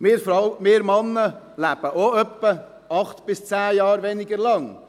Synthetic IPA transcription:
mɪːɾfɾaʊmɪːɾmɑnːə | læb̥əʔoœpːə | ɑχt̪b̥ɪst͡sæːjɑːɾʋɛnɪɡəɾlɑŋ

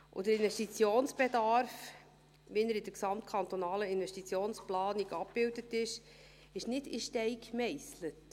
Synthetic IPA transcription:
ʔʊ̰d̥̪əɾɪnvɛʃtit͡sjoːnsb̥ed̪ɑɾf | ʋinəɾɪd̥̪əɾksɑmtkʰɑnt̪ɔnɑːləɪnvɛʃtit͡sjoːnsplɑːniɡɑpb̥ɪldətɪʃ | ɪʃnɪdiʃtɛɪkmɛɪslət

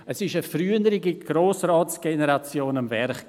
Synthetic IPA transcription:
əsɪʃəfryːənəɾiɡiɡ̥ɾoːsrɑːt͡sɡ̥enəɾat͡sjoːnamvɛɾχ

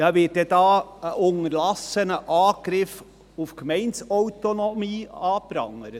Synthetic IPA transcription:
d̥ɑːʋɪːt̚dɛdɑːəʔʊŋəɾlɑsənəʔɑːɡ̥ɾɪf | ufkmɛɪntsœwtonɔmiːɑːpɾɑ̰ŋəɾə

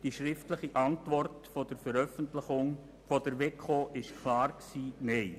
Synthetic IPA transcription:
d̥iʃɾɪftləχiʔɑntʋɔrtfod̥əɾfəɾœfəntlɪχʊŋ | fodəɾʋekʰχoːʔɪʃkʰlɑːrksiːnɛɪ

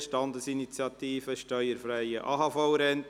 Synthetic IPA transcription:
ʃtɑnd̪əsinit͡sjɑt̪iːfəʃtœʏəɾfɾæɪəʔɑːɦɑfɔʊɾɛnt

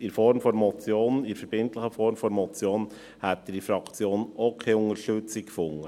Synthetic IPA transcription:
ɪɾfɔɾmfɔɾmɔt͡sjoːnɪɾfɛɾb̥ɪntləχəfɔɾmfɔɾmɔt͡sjoːn | hæt̪ddifɾɑkt͡sjoːnokʰeːʊŋəɾʃtɵt͡sɪkfʊŋə

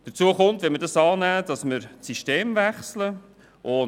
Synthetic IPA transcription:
d̥əɾt͡suəχʊntvʋɛnməɾdɑsɑːnæːd̥ɑsməɾsiʃteːmvæχslə | ʔʊ

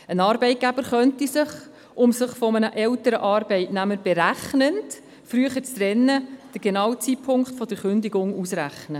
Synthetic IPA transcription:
ənɑːɾbɛɪt̚ɡ̥æb̥əɾχœntisɪχ | ʔʊmsəχfɔmənəʔɛltəɾəʔɑːɾbɛɪtnæməɾb̥eɾæχnənt | fɾyəχəɾt͡strɛnːəd̥əɾɡ̥enɑːwət͡sipʰʊŋkχtfɔd̥̪əɾχʏndiɡʊŋusræχnə

